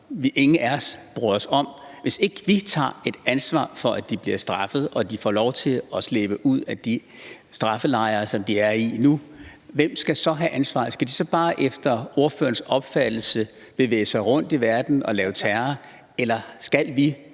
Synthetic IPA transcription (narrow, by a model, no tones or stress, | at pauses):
ʋiʔe̝ŋn̩æɒsb̥ʁyɒsɒ̽m̰ʋe̝se̝ɡ̥əʋit͡sʰɑ̰̈ːe̝d̥ænsʋɑ̰̈ːfɒ̽ʔæd̥ib̥liɐsd̥ʁɑ̈fəð̞̩ˠʔɒ̽d̥ifɒ̰ːlɒʊt͡sʰe̝lɒsleːb̥əʔuð̞̰ˠæd̥i | sd̥ʁɑ̈fəlɑ̈ɪɐːsɒ̽md̥iæɐinuʋem̰sɡ̥æsɒ̽ɦæʔænsʋɑ̰̈ːsɡ̥æd̥isɒ̽b̥ɑ̈ːʔefd̥ɐo̝ɐfø̰ːɐnsɒ̽b̥fæd̥l̩sə | b̥e̝ʋḛːəsɑ̈ɪʁɔn̰d̥iʋæɐd̥n̩ɒ̽lɛːʊt͡sʰæɐɐ | elɐsɡ̥ælʋi